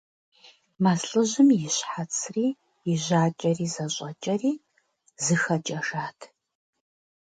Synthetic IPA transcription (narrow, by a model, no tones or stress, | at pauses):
mɐsɬʼɨʑɪmjɪɕħat͡sʰriː | jɪʑaːt͡ʃʼɐriːzɐɕʼɐt͡ʃʼɐriː | zɨxɐt͡ʃʼɐʒaːtʰ